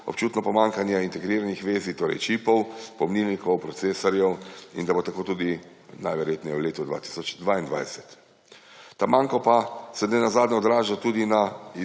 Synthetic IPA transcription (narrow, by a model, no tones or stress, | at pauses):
ɔ̰p̚t͡ʃuːt̪nɔpɔmaːŋkanjɛint̪ɛɡɾiːɾanixʋeːzit̪oːɾɛ̰jt͡ʃipɔwpɔmninnikɔwpɾɔt̪seːsɔɾjɛwḭnd̪abot̪akoːt̪uːd̪i | najʋɛɾjeːt̪nɛjɛwleːt̪ud̪ʋa̰ːt̪i̥sɔt͡ʃd̪ʋaːind̪ʋa̰jsɛt̪ː | amaːŋkɔpasɛnɛnazaːd̪nʲɛɔd̪ɾaːʒat̪uːd̪ina